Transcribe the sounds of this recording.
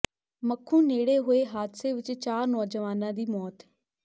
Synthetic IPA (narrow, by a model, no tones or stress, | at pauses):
məkʰːũːneːɽeːɦoːeːɦaːd̪seːʋɪt͡ʃt͡ʃaːɾnɔːd͡ʒəʋaːnãːd̪iːmɔːt̪